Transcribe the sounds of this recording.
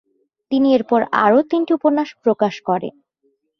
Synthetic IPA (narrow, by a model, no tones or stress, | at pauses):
t̪inieɾpɔɾa̰ɾot̪inʈiupoɾnaʃpɾokaʃkɔɾḛn